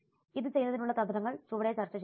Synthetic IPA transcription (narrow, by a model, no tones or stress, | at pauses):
iðɨt͡ɕe̞jnːɐðinuɭːɐt̪ɐðd̪ɐɾɐŋːɐɭt͡ɕuʋɐɽɐt͡ɕɐrt͡ɕːɐɕ